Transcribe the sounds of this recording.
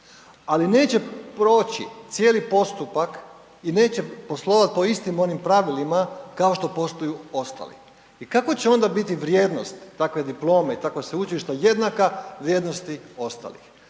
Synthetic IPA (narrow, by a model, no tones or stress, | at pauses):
aline̞ːt͡ɕe̞pɾo̞ːt͡ɕḭt̪sjeːlipo̞st̪upak | ine̞ːt͡ɕe̞po̞slˠo̞ːʋat̪̚po̞ist̪imo̞nimpɾaʋilimakaoʃt̪o̞po̞st̪ojuo̞st̪a̰lḭ | ikakʋot͡ɕeo̞nd̪abit̪iʋɾje̞ːd̪no̞st̪ːakʋe̞d̪iplo̞ːmeit̪akʋeseut͡ʃiiʃt̪aje̞d̪nakaʋɾje̞d̪nost̪io̞st̪a̰lḭx